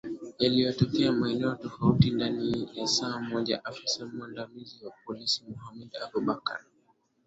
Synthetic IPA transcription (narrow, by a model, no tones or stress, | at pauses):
jalijɔtɔkɛamaɛnɛɔtɔfautindanijasaːm̩ɔʄa̰ʔafisamuandamiziwap̚ɔlisimɔhamɛdabuɓaka̰ɾ